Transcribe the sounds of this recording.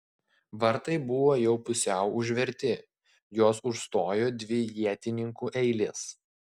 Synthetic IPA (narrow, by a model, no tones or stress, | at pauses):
ʋɐɾt̪ɐɪbʊʋoːjɛʊpʊsʲɛʊʊʒʲʋʲɛɾʲt̪ʲɪ | joːsʊʃst̪oːjoːd̪ʲʋʲɪjiɛt̪ʲɪnʲɪŋkuʔɛɪlʲeːs